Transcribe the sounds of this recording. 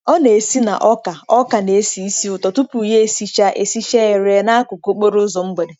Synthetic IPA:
ɔ˦ne˨e˨si˦na̰˨ʔɔ˦ka˨ɔ˦ka˨ne˨˦si˨i˦si˦ʊ˨tɔ˨tʊ˦pu˨ɦe˦e˨si˨t͡ʃa˦ʔe˨si˦ʃe˦e˨ɾe˨na˦a˦kʊ˨ko˦k͡po˦ɾʊ˦zɔ˨ŋ͡m̩˦ɡ͡be˨de˨

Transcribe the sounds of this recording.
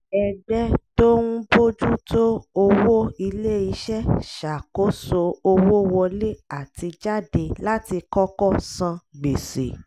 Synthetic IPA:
ɛ˨ɡ͡bɛ˦to˦ɾũ˦bo˦d͡ʒu˦to˦o˧wo˦i˧le˦i˧ʃɛ˦ʃa˨ko˨˦so˧o˧wo˦wɔ˧le˦a˦˨ti˧d͡ʒa˦˨de˧la˦ti˧kɔ˦kɔ˦˨sã˧ɡ͡be˨sḛ˨

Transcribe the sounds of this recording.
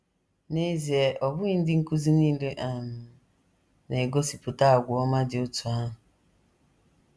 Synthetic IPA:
ne˦zi˨e˨ʔɔ˨bʊ˦i˦n̩˦dɪ˦ŋ̩˦ku˦zi˦niː˦le˦ʔa˨mʊ˨ | ne˨ɡo˦si˨pʊ˨ta˦a˨ɡʷʊ˨ɔ˦ma˦dɪ˨ʊ˦tʊ˨a˦˨

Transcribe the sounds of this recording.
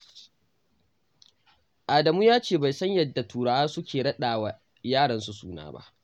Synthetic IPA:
ʔaː˨dɐ˨muː˦jaː˦t͡ʃeː˦˨ba˨jsɐ˦ɲjɐ˨dːa˨tʰuː˨ɽa˨ʔaː˦sʊ˦kʲeː˨ɽɐ˦ɗaː˨wa˨ | jaː˦ɽɐ˨nsu˨suː˦na̰ː˦ba̰˦ʔ

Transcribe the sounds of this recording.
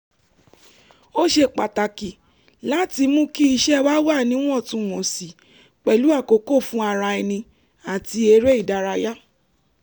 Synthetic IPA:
o˦ʃe˧k͡pa˨ta˨ki˨ | la˦ti˧mũ˦ki˦i˧ʃɛ˦wa˦wa˦˨nĩ˨˦w̃ɔ̃˦˨tũ˧˨w̃ɔ̃˨si˨ | k͡pɛ˨lu˨˦a˦˨ko˨ko˦˨fũ˦a˧˨ɾa˧ɛ˧nĩ˧ | a˨ti˧e˧ɾe˦i˦˨da˨˦ɾa˧ja˦

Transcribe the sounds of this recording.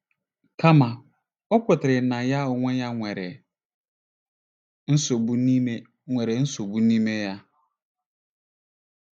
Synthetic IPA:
kʰa˦mã˨ | ɔ˦kʰʊ˨tʰɪ˨ɾɪ˨nã˨ja˦ɔ˨ŋʷɔ̃˦ja˦ŋʷɛ˨ɾɛ˨ | n̩˦so˨bu˦nĩ˦me˦ | ŋʷɛ˨ɾɛ˨˦n̩˦so˨bu˦nĩ˦me˦ja˦

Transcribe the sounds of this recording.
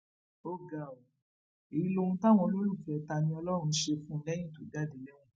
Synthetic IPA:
o˧ɡa˨o˨ | e˨i˧˦lo˧ũ˧ta˦w̃ɔ̃˧lo˦ɾu˦˨fɛ˨˦˨ta˧nĩ˧ɔ˧lɔ˦ɾ̃ũ˧˦ʃe˧fũ˦˧lɛ˦j̃ĩ˦˨to˨˦ɡa˦de˨lɛ˦wũ˧˦

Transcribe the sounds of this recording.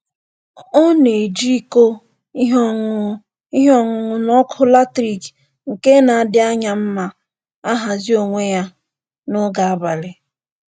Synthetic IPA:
ɔ˦ne˨d͡ʒi˦ko˦ | i˦ɦɔ˦ŋʊ˨ | i˦ɦɔ˦ŋʊ˨ŋʊ˨nɔ˦kʰʊ˦la˦tɾi˨k | ŋ̩˨ke˦na˨a˦˨dɪ˦a˦ɲa˨m̩˦ma˦ | a˦ɦa˨zi˦o˨ŋʷe˦ja˦ | nʊ˦ɡa˨a˦ba˨le˨

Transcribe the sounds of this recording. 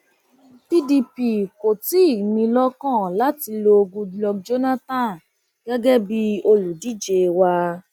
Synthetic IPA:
pi˦di˧pi˦˨ko˨ti˨˦i˦˨mĩ˧lɔ˦kã˦˨la˦ti˧lo˧o˧ɡũ˧lɔ˧d͡ʒo˦na˦tã˦˨ | ɡ̥ɛ˦ɡɛ˦bi˦o˧lu˨di˨˦˨d͡ʒe˧˨wa˧

